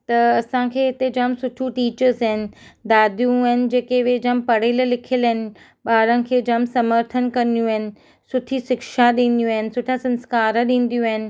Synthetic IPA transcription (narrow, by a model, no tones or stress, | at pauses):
t̪ɐɐsãkʰeːɪt̪ed͡ʑəmsʊʈʰuʈiːt͡ɕəɾzɦɪnɪ̆d̪aːd̪ʱjũɐɦɪnɪ̆d͡ʑeːkeʋed͡ʑɐmpɐɽ̤eːllɪkʰələɦɪnɪ̆ | ɓaːɾənɪ̆kʰeːd͡ʑɐmsɐməɾt̪ʰənkɐnjũəɦɪnɪ̆ | sʊʈʰiʃɪkʃaɗĩːn̆d̪ijũaːɦɪnɪ̆sʊʈʰasɐ̃nskaːɾəɗĩːnd̪ijũaɦɪnɪ̆